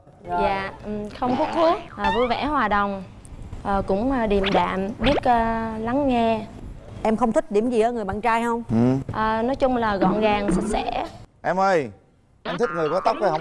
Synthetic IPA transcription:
zaː˧˨ʔxə˧wŋ͡mt̪ʰu˦˥k̚xu˦˥ək̚ʔəː˨˩vu˧jvɛ̰˧˥hwaː˨˩ɗə˨˩wŋ͡m | ʔəː˨˩kʊ̰˧˥ŋ͡mə˧˩ɗi˨˩əmɗa̰ː˧˨mɓi˦˥ət̚əː˨˧la˨˦ŋːɛ˧ | ʔɛ˧mxə˧wŋ͡mt̪ʰï˦˥k̟̚ɗi˧˩əmzi˨˩ʔəː˨˦ŋɨ˨˩əjɓa̰ː˧˨nt͡ɕaː˧jɦə˧wŋ͡mʔəː˨˩nɔ˨˦jt͡ɕʊ˧ŋ͡mlaː˨˩ɣɔ̰˧˨nɣaː˨˩ŋsa˦˥t̚sɛ̰˧˩ʔɛ˧mʔəː˧j | ʔɛ˧mt̪ʰï˦˥k̚ŋɨ˨˩kɔ˨˦t̪ə˦˥k͡p̚ʔə˧hə˧˦

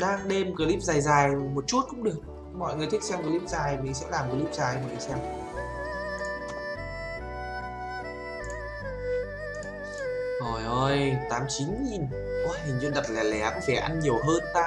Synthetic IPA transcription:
ɗaː˧ŋɗe˧mkəː˨˩li˦˥p̚zaː˨˩jzaː˨˩jmo˨˩t̚t͡ɕu˦˥t̚kʊ̰˧˥ŋ͡mɗɨ˨˩ək̚ | mɔ̰˧˨jŋɨ˨˩əjt̪ʰï˦˥k̚sɛ˧wkəː˧˩li˦˥p̚zaː˨˩jmï˨˩sɛ̰˧˥laː˨˩mkəː˨˩˦li˦˥p̚zaː˨˩jmɔ˨ŋː˨˩sɛ˧w | zo˨˩jʔo˧jt̪aː˨˦mt͡ɕi˨˦nɲi˨˩n | ʔɔ˧jmi˨˩ŋ̟zə˧nɗə˨˩p̚laː˨˩lɛ˨˦kɔ˨˧˦fɛ˧˩ʔa˧nɲi˨˩əwɦəː˧nt̪a̰ː˧

